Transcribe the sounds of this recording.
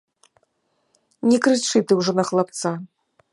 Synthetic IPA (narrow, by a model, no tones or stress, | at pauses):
nʲɛkɾɨt͡ʂɨt̪ɨwʐɔnɐxlˠap̚t̪sa